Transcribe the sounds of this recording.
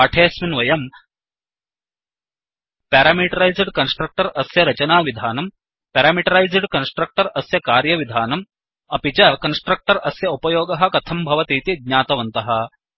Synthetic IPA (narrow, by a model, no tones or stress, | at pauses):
ɐʈʰeːsminʋɐjɐm | paːɾaːmiʈɐɾɐjzɖkɐnsʈɾɐk̚ʈɐɾɐsjɐɾɐt͡ʃɐnaːʋid̪ʱaːnɐm | peːɾaːmiʈɐɾajzɖkɐnsʈɾɐk̚ʈɐɾɐsjɐkaːɾjɐʋid̪ʱaːnɐm | ɐpit͡ʃɐkɐnsʈɾɐk̚ʈɐɾɐsjɐupɐjoːɡɐɦɐ̆kɐt̪ʰɐmbʱɐʋɐt̪iːt̪iɡ̪̚ɲaːt̪ɐʋɐnt̪ɐɦɐ̆